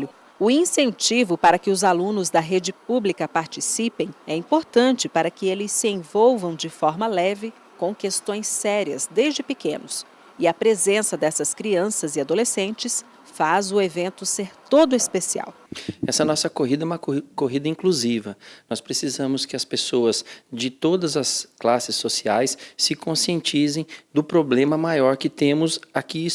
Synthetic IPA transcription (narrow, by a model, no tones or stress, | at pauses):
ʊ | ʊĩsẽnt͡ʃivʊpaɾɐkɪʊzalũnʊzd̪ɐɦed͡ʒɪpublikɐpaɾt͡ʃisipẽj̃ɛĩpoɾt̪ɐ̃nt͡ʃɪpaɾɐkɪelɪsːɪẽvowvɐ̃w̃d͡ʒɪfɔɾmɐlɛvɪ | kõw̃kest̪õj̃sɛɾiɐzd̪ezd͡ʒɪpekẽnʊs | ɪɐpɾezẽsɐd̪ɛsɐskɾiɐ̃sɐzɪad̪olesẽnt͡ʃɪs | fazʊevẽnt̪ʊseɾt̪od̪ʊespesia̰w | ɛsɐnɔsɐkoɦid̪ɐɛũmɐkoɦid̪ɐĩŋkluzivɐnɔspɾesizɐ̃mʊskɪɐspesoɐzd͡ʒɪt̪od̪ɐzɐsklasɪsːosiajssɪkõsiẽnt͡ʃizẽj̃d̪ʊpɾoblẽmɐmajɔɾkɪt̪ẽmʊzaki